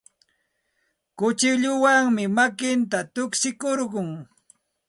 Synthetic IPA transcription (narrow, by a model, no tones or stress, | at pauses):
kʊt͡ʃɪʎʊwaŋmɪmakɪnt̪at̪ʊkʃɪkoɾɢʊŋ